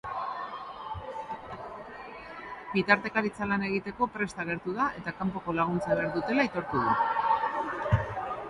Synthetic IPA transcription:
bit̪aɾt̪e̞kaɾit͡salane̞ɣ̞it̪e̞ko̞pɾe̞st̪aɣe̞ɾt̪uðaʔe̞t̪akampo̞ko̞laɣ̞unt͡saβe̞aɾðut̪e̞lait̪o̞ɾt̪uð̞u

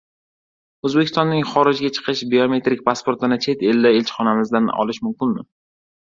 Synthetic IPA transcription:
ɵzbekʲʰːɪst̪ɒnːɪŋχɒɾɪd͡ʒɡʲat͡ʃʰɨ̥qʰɨʃbiome̞t̪ɾɪk̚ʲpʰaspoɾt̪ɪnɪt͡ʃʰe̞t̪eld̪aelt͡ʃʰɪ̥χɒnamɪzd̪anɒ̰lɪʃmʊmkʲɪnmɪ

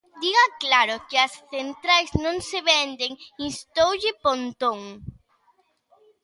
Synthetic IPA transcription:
d̪iɣaklaɾʊkɪɐsθent̪ɾajznõŋseβɛnd̪eŋinst̪owʎɪpont̪oŋ

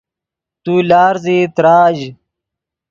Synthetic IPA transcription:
t̪uːlaːɾziːt̪ɾaːʑ

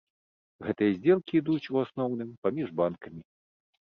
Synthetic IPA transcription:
ɣɛt̪ɨjɐzʲd͡zʲɛlˠkʲiːd̪ut͡sʲuasnɔwnɨmpamʲiʐbankɐmʲi

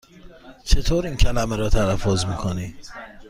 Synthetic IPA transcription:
t͡ʃʰe̞t̪ʰoːɾiːncʰælæmeɾɒːt̪ʰælæfːozmiːkʰoniː

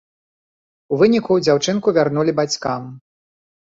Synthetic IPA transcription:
uvɨnʲikud͡zʲawt͡ʂɨnkuvʲarnulʲibat͡sʲkam

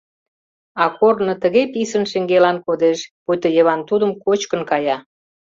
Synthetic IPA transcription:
ɑkornə̆t̪əɣepisənʃĕŋɡelɑnkod̪eʃput̪əjəβɑnt̪ud̪ə̆mkot͡ɕkə̆nkɑjɑ

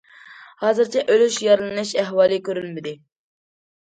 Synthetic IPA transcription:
hɑːzɨɾt͡ʃʰɛʔølyʃjɑɾɨlˠɨnɪʃæɦwɑːlˠɨkʲʰøɾylmɪd̪ɪ

